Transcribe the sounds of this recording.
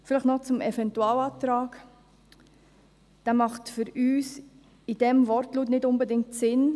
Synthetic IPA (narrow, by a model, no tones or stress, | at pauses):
fɪlɪχtnɔt͡sʊmʔɛvɛntuɑːlɑːtɾaːk | d̥aːmɑχtfʏɾyːs | id̥ɛmvɔɾtluːtnɪtʊnbədɪŋtsɪn